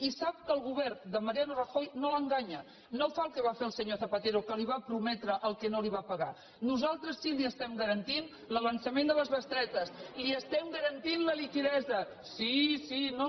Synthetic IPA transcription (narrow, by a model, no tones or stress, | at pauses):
isap̚kəːlˠɣuβɛrd̪əməɾianurəxojnoləŋɡaɲə | nowfalˠkəβ̞afeəlˠsəɲoθəpət̪eɾukəliβ̞apɾumɛt̪ɾəʔəlˠkɛnoliβapəɣa̰ | nuzalˠt̪ɾəsːiliəst̪ɛmɡəɾənt̪in | ləβənsəmend̪ələzβəst̪ɾɛt̪əsliəst̪ɛmɡəɾənt̪inləlikiðɛzə | sisino